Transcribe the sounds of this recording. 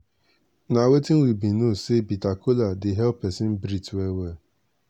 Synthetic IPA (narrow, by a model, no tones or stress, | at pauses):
nawetiŋ̩wibinosebitakʰoladɪɦɛlpesɪm̩bɾitwewe